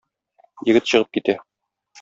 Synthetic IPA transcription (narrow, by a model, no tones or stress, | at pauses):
jɘ̆ɡɘt̪ɕɤ̆ʁɤp̚kit̪æ